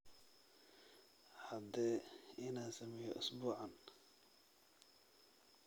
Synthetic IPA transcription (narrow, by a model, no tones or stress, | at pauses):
hɐd̪ɛːɪnaːnsɐmɛjɔʔʊsbuːʕɑn